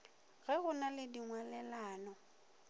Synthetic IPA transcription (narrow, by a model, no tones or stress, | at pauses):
ɣɛɣʊnalɪdiŋwalɛlaːnɔ